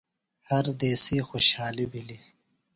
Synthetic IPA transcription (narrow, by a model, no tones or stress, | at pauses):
hɐɾd̪eːsixoʃhaːlibili